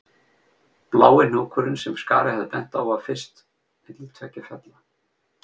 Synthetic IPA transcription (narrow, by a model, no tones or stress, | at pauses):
plaːwɪnɔːkʰʏɾʏnsɛmska̰ːɾɪhɛðpɛn̥t̪awafɪ̥st̪ | ɪt̪lt̪ʰvɛcːɪfjɛt̪la